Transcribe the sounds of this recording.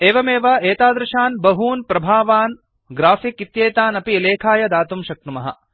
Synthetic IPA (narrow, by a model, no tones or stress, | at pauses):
eːʋɐmeːʋɐeːt̪aːd̪ɾɐʃaːnbɐɦuːnpɾɐbʱaːʋaːn | ɡɾaːfikit̪jeːt̪aːnɐpileːkʰaːjɐd̪aːt̪umʃɐk̚numɐɦɐ̰